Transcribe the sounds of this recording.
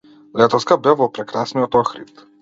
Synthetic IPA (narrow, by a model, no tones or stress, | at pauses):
lɛt̪ɔskabɛvɔpɾɛkɾasniɔt̪ɔxɾḭt̪